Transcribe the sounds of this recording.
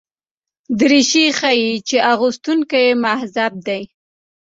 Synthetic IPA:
d̪əɾiʃixajit͡ʃeʔaɣust̪uŋkajemahzab̚d̪aj

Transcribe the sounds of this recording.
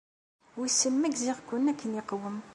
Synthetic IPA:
wisːəmːæɡziʁkːʊnːækʰːəniqwəm

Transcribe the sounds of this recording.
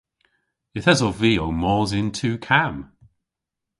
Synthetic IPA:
jəθɛzoviːowmɔːzɪntʰʉːkʰam

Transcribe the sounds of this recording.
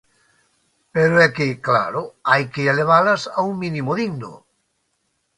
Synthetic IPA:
peɾoɛkekla̰ɾoajkeeleβ̞alasauŋmĩnimoðiɡno̰

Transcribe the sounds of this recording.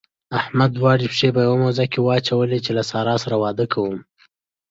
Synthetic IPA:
ahmad̪wɑɽipʂep̬əjawamawzakewəat͡ʃawəlet͡ʃelasɑɾɑsaɾawɑd̪əkʰawəm

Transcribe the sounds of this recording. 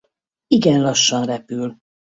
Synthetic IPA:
iɡɛnlɒʃːɒnrɛpyl

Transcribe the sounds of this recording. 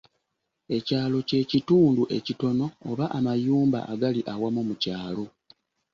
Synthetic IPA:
e̞caːlo̞ce̞ːcituːnduʔe̞cito̞no̞ːβaʔamajuːmba̰ʔaɡaliʔawamumucaːlo̞

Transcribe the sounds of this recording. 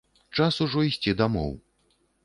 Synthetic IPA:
t͡ʂasuʐɔisʲt͡sʲid̪amɔ̰w

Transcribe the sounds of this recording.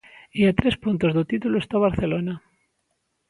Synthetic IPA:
iat̪ɾespunt̪ozðot̪it̪uloest̪aβ̞aɾθe̞lona

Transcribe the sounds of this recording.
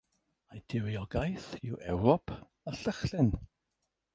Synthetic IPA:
ajd̥ɪwiɔɡajθɪwʔɛwɾɔpʰ | aɬəχɬɪn

